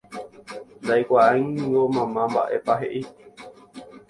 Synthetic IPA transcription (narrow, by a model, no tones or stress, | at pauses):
nd̪ajkʷaãj̃ɡomãmãmba̰ʔe̞̰paɦḛʔi